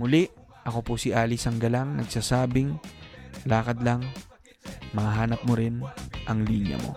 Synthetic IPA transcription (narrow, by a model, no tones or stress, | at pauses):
mʊlɪʔ | ʔɐko̞posɪʔaːlisɐŋɡɐlaŋnɐɡsaːsaːbɪŋ | laːkɐd̪lɐŋ | mɐaɦaːnɐp̚moɾɪnʔɐŋliːɲjɐ̰mo̞̰